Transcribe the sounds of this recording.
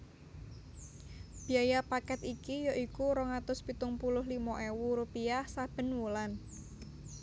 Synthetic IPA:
b̥i̤ajapakɛt̪ikijɔʔikuɾɔŋat̪ʊspit̪ʊŋpulʊɦlimɔʔewuɾupiahsab̥ə̤nwulan

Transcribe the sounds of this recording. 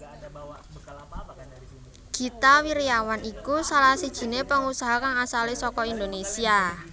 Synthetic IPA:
ɡ̥i̤t̪awiɾiawanikusalahsid̥ʒ̥i̤nepəŋusaɦakaŋasalesɔkɔind̪onesia

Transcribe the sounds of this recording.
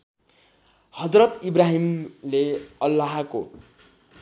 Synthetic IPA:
hʌd͡zrʌt̪ibraɦimleʌlːaɦako̰

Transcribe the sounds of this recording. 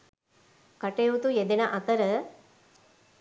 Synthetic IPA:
kɐʈeut̪ujed̪enɐʔɐt̪ɐɾɐ

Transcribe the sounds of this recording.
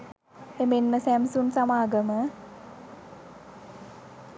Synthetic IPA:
emenməsæmsunsamaːɡəmə

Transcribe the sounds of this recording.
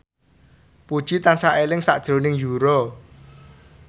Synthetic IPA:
pud̥ʒ̥it̪ansaʔelɪŋsa̰ʔd̥ʒ̥ɾo̤nɪŋjuɾɔ

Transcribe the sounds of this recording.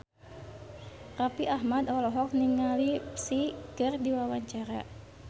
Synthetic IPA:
rapiʔahmad̪ɔlɔɦɔk̚niŋalisiɡ̥ərdiwawaɲt͡ʃaɾa̰

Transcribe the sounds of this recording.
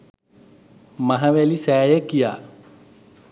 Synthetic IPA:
mɐɦɐʋelisɛːjekija̰

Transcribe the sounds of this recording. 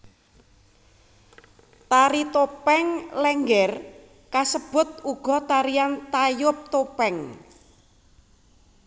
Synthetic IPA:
t̪aɾit̪opɛŋlɛŋɡɛr | kasəb̥ʊ̤t̪̚uɡ̥ɔ̤t̪aɾiant̪ajʊp̚t̪opɛŋ

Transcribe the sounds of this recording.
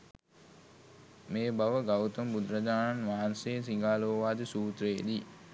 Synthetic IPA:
meːbaʋəɡawt̪əmbud̪ɾad͡ʒaːnanʋaːanseːs̬iŋɡaːloːʋaːd̪əsuːt̪ɾeːd̪i

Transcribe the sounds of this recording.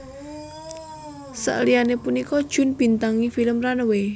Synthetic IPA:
sa̰ʔlijanepunikɔd̥ʒ̥ʊ̤nb̥i̤nt̪aŋifiləmranəwe

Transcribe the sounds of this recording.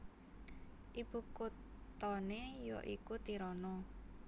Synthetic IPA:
ʔib̥ṳkutt̪ɔnejɔ̰ʔikut̪iɾɔnɔ

